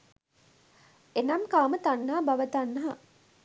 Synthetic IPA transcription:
enɐmkaːmət̪anːaɦabaʋət̪anːɐɦɐ

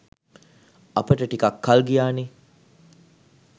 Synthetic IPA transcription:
apəʈəʈikakːalɡijaːne

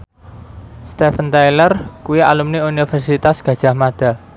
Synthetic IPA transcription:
st̪efənt̪ajlərkuwia̰lumniunifɛrsit̪asɡ̥ä̤d̥ʒ̥a̤hmad̪̥a̤

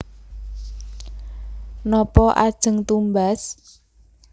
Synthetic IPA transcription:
nɔpɔʔad̥ʒ̥ə̤ŋt̪umbas

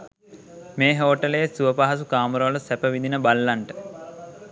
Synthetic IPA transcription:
meːɦoːʈəlejesuʋəpaɦas̬ukaːməɾoʋləsæpəʋid̪inəbalːaɳʈə

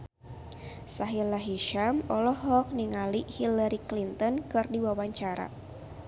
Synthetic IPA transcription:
saɦilaɦiʃamɔlɔhɔk̚niŋalihilaɾiklint̪ɔnkɨrdiwawaɲt͡ʃaɾa̰

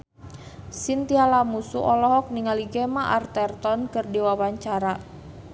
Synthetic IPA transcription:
sint̪ialamusuʔɔlɔɦɔk̚niŋaliɡɛmaʔart̪ɛrt̪ɔnkɨrdiwawaɲt͡ʃaɾa

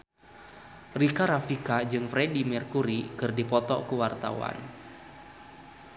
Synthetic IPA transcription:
rikaɾafikad͡ʒɨŋfɾedimɛrkuɾikɨrdipɔt̪ɔ̰kuwart̪a̰wa̰n

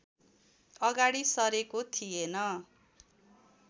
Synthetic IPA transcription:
ʌɡaɽisʌɾekot̪ʰienʌ

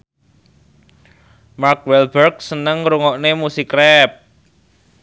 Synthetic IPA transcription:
mark̚wɛlbərɡsənəŋɾuŋɔʔnemusikɾɛp̚

